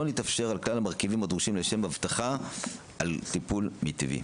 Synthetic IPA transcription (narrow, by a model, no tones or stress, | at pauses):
onit̪afʃe̞ʁalklalamaʁkivimad̪ʁuʃimleʃe̞mavtaχa | ʔalt̪ipulmit̪ivḭ